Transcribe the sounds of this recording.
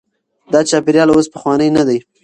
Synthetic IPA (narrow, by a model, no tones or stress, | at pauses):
d̪ɑt͡ʃɑpeɾjɑlospəxwɑnəjnad̪aj